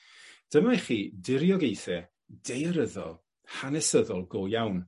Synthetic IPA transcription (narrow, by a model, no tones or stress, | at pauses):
d̥əmajχiːdɪɾjɔɡejθɛ | d̥ejəɾəðɔ̰lˠ | hanɛsəðɔlˠɡojawn